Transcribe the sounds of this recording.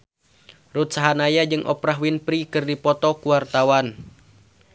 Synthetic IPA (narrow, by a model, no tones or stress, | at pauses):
rut̪̚saɦanajad͡ʒɨŋʔɔ̰pɾaɦwinpɾikɨrdipɔt̪ɔkuwart̪awan